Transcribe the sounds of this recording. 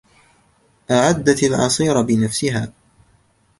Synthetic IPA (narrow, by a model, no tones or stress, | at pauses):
ʔaʕad̪ːat̪alʕɑ̰sˤiːɾabɪnafsɪɦaː